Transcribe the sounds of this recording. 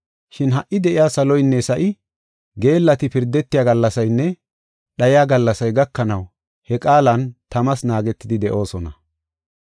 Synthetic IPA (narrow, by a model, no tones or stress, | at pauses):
ʃɪnɦɐʔːɪd̪ɛʔɪjaːsɐlɔjnːɛsɐʔɪ | ɡe̞ːlːɐt̪ɪpɪɾd̪ɛt̪ːɪjaːɡɐlːɐsɐjnːɛ | ɗɐjɪjaːɡɐlːɐsɐjɡɐkːɐnɐw | hɛkʼaːlɐnt̪ɐmɐsnaːɡɛt̪ːɪd̪ɪd̪ɛʔo̞ːsɔnɐ